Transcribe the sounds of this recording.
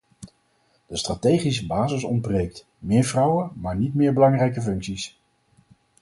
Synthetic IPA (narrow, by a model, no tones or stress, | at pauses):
d̥əstraːtejχisəbaːzəsɔ̰nd̚brejkt | mɪːɹvrʌwəmaːɹnitmɪːɹbəlɑŋrɛjkəfɵŋksis